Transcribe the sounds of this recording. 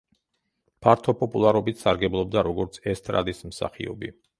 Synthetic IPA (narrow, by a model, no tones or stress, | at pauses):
pʰaɾt̪ʰɔpʼɔpʼulˠaɾɔbit̪ʰsaɾɡɛblˠɔb̚d̪aɾɔɡɔɾt̪sʰɛst̪ʼɾa̰d̪ismsa̰χḭɔ̰bi